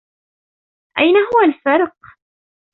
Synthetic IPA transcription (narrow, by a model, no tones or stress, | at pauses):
ʔajnaɦʊwalfɪɾˤq̚